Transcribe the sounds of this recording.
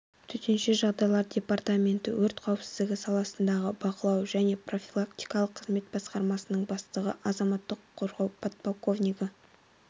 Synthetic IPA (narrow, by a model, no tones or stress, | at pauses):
t̪ʰʏt̪e̞nʃe̞ʒɑʁd̪ɑjlˠɑɾdʲe̞part̪amʲe̞nt̪ɪ̰wɵɾt̪qʰɑwəpsɪ̥zd̪ɪɡʲɪsɑlˠɑsənd̪ɑʁəbɑqəlˠɑwʒæne̞pro̞fʲilˠakt̪ijkɑlˠəqʰːəzme̞t̪̚bɑsqɑɾmɑsənəɴbɑst̪əʁə̰ʔɑzɑmɑt̪ːəqʰːo̞ɾʁɑwpʰot̪̚polˠko̞vnʲijkə